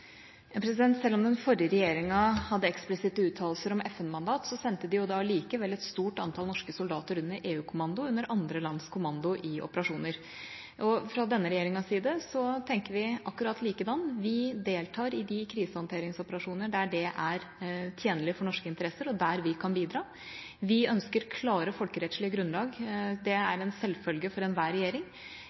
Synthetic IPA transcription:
pʰɾɛsɪd̪ɛnt̪sɛlːɔmd̪ɛnfɔɾjəɾɛjeːɾɪŋɑhɑd̪ːəɛksplɪsɪt̪ːəʉːt̪ʰɑːlsəɾɔmɛfɛnmɑnd̪ɑːt̪sɔsɛnt̪əd̪ɪjʊd̪ɑliːkəʋɛlːɛt̪st̪uːʈɑnt̪ʰɑlnɔʂkəsʊld̪ɑːt̪əɾʉnːəʔeːʉːkʰʊmɑnd̪ʊʉnːəɾɑnd̪ɾəlɑnskʰʊmɑnd̪ʊʔɪʔɔ̰pəɾɑʂuːnəɾ | ʔɔfɾɑd̪ɛnːəɾɛjeːɾɪŋɑsiːd̪əsɔt̪ʰɛŋkəʋɪʔɑkːʉɾɑt̪ʰliːkəd̪ɑnːʋɪd̪eːlt̪ʰɑːɾɪd̪ɪkʰɾiːsəhɑnt̪ʰeːɾɪŋsɔpəɾɑʂuːnəɖæɖɛʔæɾt̪ʰjeːnəlɪfɔɳɔʂkəɪnt̪əɾɛsəɾɔd̪æɾʋɪkʰɑnbiːd̪ɾɑː | ʋɪœnskəɾkʰlɑːɾəfɔlkəɾɛt̪ʂɭɪəɡɾʉnːlɑːɡd̪ɛæɾɛnsɛlfœlɡəfɔɾɛnʋæːɾɛjeːɾɪŋ

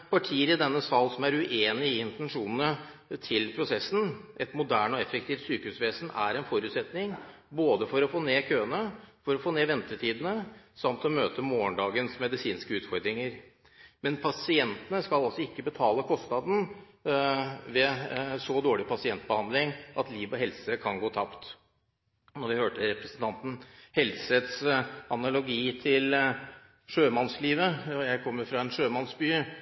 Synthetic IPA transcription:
pʰɑʈʰiːəɾɪd̪ɛnːəsɑlːsɔmæɾʉʔeːnɪɪɪnt̪ɛnʂuːnnə | t̪ʰɪlpʰɾʊsɛsn̩ʔɛt̪mʊd̪æːɳɔɛfək̚t̪iːft̪syːkəhʉːsʋeːsənæ̰ɾɛnfɔɾʉːt̪sɛt̪nɪŋ | boːd̪əfɔɾɔfoːneːkʰøːənəfɔɾɔfoːneːʋɛnt̪əʈʰiːd̪ən̩əsɑmt̪ɔmøːt̪əmoːəɳɖɑːɡənsmɛd̪ɪsiːnskəʉːt̪fɔɾd̪ɾɪŋəɾ | mɛnpʰɑsɪɛnt̪ənəskɑlɑlsɔɪkːəbət̪ʰɑːləkʰɔst̪nɑd̪n̩ | ʋɛsɔd̪oːɭɪpɑsɪɛnt̪̚bəhɑnd̪lɪŋʔɑt̪liːʋɔɦɛlsəkʰɑnɡoːt̪ʰɑpt̪ | nɔɾʋɪhøːʈəɾɛpɾɛsn̩t̪ʰɑnt̪n̩hɛlsəət̪sɑnɑlʊɡiːt̪ʰɪl | ʂøːmɑnsliːʋəɔjæɪkʰɔmːəɾfɾɑɛnʂøːmɑnsbyː

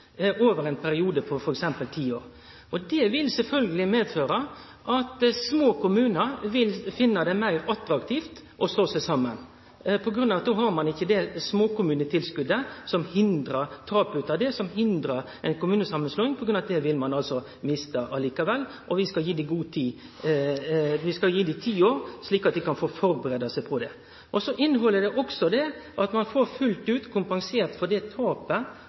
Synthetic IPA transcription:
ʔoːʋəɾɛnpʰæɾɪuːd̪əpʰɔfɔɾɛksɛmpəlt̪ʰiːo̰ːɾ | ɔd̪ɛʋɪlsɛlfœlɡəlɪmeːd̪føːɾə | ʔɑt̪smoːkʰʊmʉːnəɾʋɪlfɪnːɑd̪ɛmæɪɾɑt̪ɾɑkt̪ʰiːft̪ | ʔɔst̪oːsæsɑmːə̰n | pʰɔɡɾʉnɑʋɑt̪oːhɑɾmɑnɪçːəd̪ɛsmoːkʊmʉːnət̪ʰɪlskʉd̪əsɔmhɪnd̪ɾət̪ʰɑːpʉːt̪ɑd̪ɛsɔmhɪnd̪ɾəɾ | ɛɪnkʊmʉːnəsɑmːənsloːnɪŋpʰɔɡɾʉnɑd̪ɛʋɪlmɑnɑlsɔ | mɪst̪əʔɑliːkɑʋɛlː | ʔɔʋɪskɑljiːd̪iɡuːt̪ʰiː | ʋɪskɑljiːd̪it̪ʰiːoːɾsliːkɑt̪̚d̪ɪkɑnfoːfɔɾbəɾeːd̪ɑsɛɪpʰɔd̪ɛ | ʔɔsɔʔɪnːɦɔlːəd̪ɛʔɔksɔd̪ɛʔɑt̪mɑnfoːɾfʉlt̪ʉːt̪kʰʊmpɑŋseːɾt̪fɔd̪ɛt̪ʰɑːpə

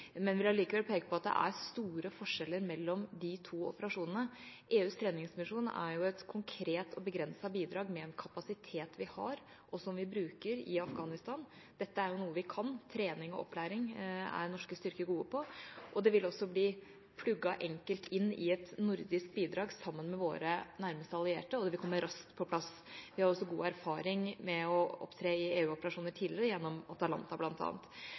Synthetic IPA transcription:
mɛnʋɪlhɑɾliːkəʋɛlpʰeːɡəpʰɔɑt̪̚d̪ɛ̰ʔæ̰ɾst̪uːɾəfɔʂɛlːəɾmɛlːɔmd̪ɪt̪ʰuːɔ̰pəɾɑʂuːnənəʔeːʉːst̪ʰɾeːnɪŋsmɪʂuːnæ̰ɾjʊɛt̪kʰʊŋkʰɾeːt̪ʰɔbəɡɾɛnsɑbiːd̪ɾɑːɡmɛɛnkʰɑpɑsɪt̪ʰeːt̪ʋɪhɑ̰ɾ | ʔɔsɔmʋɪbɾʉːkəɾɪ̰ɑfɡɑːnɪst̪ɑːn | d̪ɛt̪ːəæɾjʊnuːəʋɪkʰɑnt̪ʰɾeːnɪŋɔ̰ʔɔ̰pʰːlæːɾɪŋæ̰ɾnɔʂkəst̪ʏɾkəɡuːəpʰɔʔɔd̪ɛʋɪlɔsːɔbliː | pʰlʉɡːɑʔɛŋkəlt̪ʰɪnːɪɛt̪nʊɾd̪ɪsk̪̚biːd̪ɾɑːɡsɑmːənmɛʋo̰ːɾənæɾməst̪əɑlɪḛːʈəɔd̪ɛʋɪkɔmːəɾɑskt̪pʰɔpʰlɑs | ʋɪhɑɾɔsːɔɡuːæɾfɑːɾɪŋmɛɔɔ̰pt̪ʰɾeːɪeːʉːɔpəɾɑʂuːnəʈʰiːlɾəjɛnːɔmɑt̪ɑlɑ̰nt̪ɑblɑnt̪ʰɑ̰ːnt̪

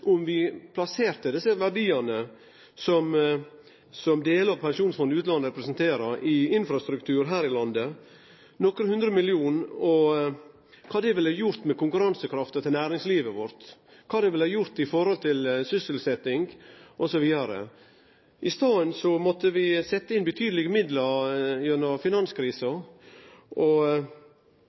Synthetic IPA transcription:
ʔʊmʋɪpʰlɑseːɾt̪əd̪ɪsːəʋæɖiːɑnə | sɔm | sɔmd̪eːləɑʋpʰɛnʃuːnsfɔnd̪ʉːt̪lɑnəɾɛpɾɛsnt̪ʰeːɾɑɾʔɪɪnfɾɑst̪ɾʉkt̪ʰʉːɾɦæːɾɪlɑnd̪ə | nɔkɾəhʉnd̪ɾəmɪlɪuːnɔ | kʰɑːd̪ɛʋɪlɑjʊɾt̪mɛkʰʊŋkʉɾɑnsəkɾɑft̪ət̪ʰɪlnæːɾɪŋsliːʋəʋɔɾt̪ | kʰɑːd̪ɛʋɪlhɑɾjʊɾt̪ɪfɔɾhɔlt̪ʰɪlsʏsəlsɛt̪ːɪŋɡʔɔsɔʋiːd̪ɑɾə̰ | ʔɪst̪ɑːənsɔmɔt̪ːəʋɪsɛt̪ːəɪnbət̪ʰyːd̪əlɪɡəmɪd̪lɑɾjɛnːɔfɪnɑnskʰɾiːsɑ | ʔɔ

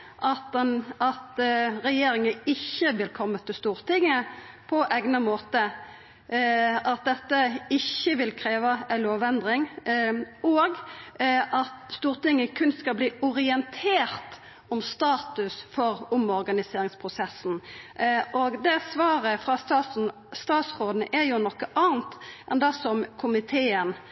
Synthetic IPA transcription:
ʔɑt̪̚ɛnɑt̪ɾɛjeːɾɪŋəɪçːəʋɪlkʰɔmːət̪ʰɪlst̪uːʁt̪ɪŋːə | pʰɔʔɛɡnəmoːt̪ə | ɑt̪̚d̪ɛt̪ːəɪçːəʋɪlkʰɾeːʋəɛloːʋɛnd̪ʁɪŋ | ɔɡ | ʔɑt̪st̪uːʁt̪ɪŋːəkʰʉnskɑlbliːʊɾɪɛnt̪ʰeːʁt̪ | ɔmst̪ɑːt̪ʉsfɔɾʊmɔʁɡɑnɪseːɾɪŋspʰʁʊsɛsːn̩ | ʔoɡd̪ɛsʋɑːʁəfʁɑsɑsn̩ | st̪ɑːt̪sʁoːd̪n̩ʔæɾjʊnɔkːəʔɑːnt̪ʔɛnd̪ɛsɔmkʰʊmɪt̪ʰeːən

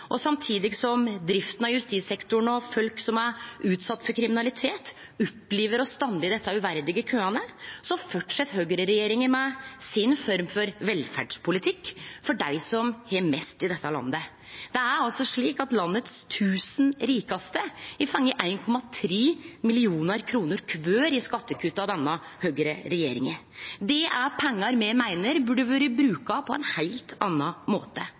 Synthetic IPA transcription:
ʔɔsɑmt̪ʰiːd̪ɪɡsɔmd̪ɾɪft̪ən̩ɑjʉst̪iːt̪sɛkt̪ʊɳɔfœlksɔmæɾʉːt̪sɑt̪ːfɔɾkʰɾɪmɪnɑlɪt̪ʰeːt̪ | ɔpːliːʋəɾɔst̪ɑnd̪ɪd̪ɛsːɑʉʋæɾd̪ɪɡəkʰøːɑnəsɔfɔʈʂɛt̪ːhøːɡɾəɾɛjeːɾɪŋənmɛsɪnfɔɾmfɔɾʋɛlfæ̰ɖʂpʰʊlɪt̪ʰɪkːfɔɖæɪsɔmhɛmɛst̪ɪd̪ɛt̪ːəlɑ̰nd̪ə | d̪̥ɛæɾɑlsɔʂɭiːkɑt̪lɑnːət̪st̪ʰʉːsn̩ɾiːkɑst̪əɪfɑŋːəʔæɪnkʰɔmɑt̪ʰɾiːmɪlɪuːnəɾkʰɾuːnəɾkʰʋøːɾɪskɑt̪ːəkʰʉːt̪ɑʋd̪ɛnːɑ | høːɡəɾə̰ɾɛjḛːɾɪŋə | d̪ɛʔæpʰɛŋːɑɾmɛmæɪnəɾbʉɖəʋøːɾəbɾʉːkɑpʰɔɛ̰ɪnhæɪlt̪ʰɑnːɑmo̰ːt̪ə

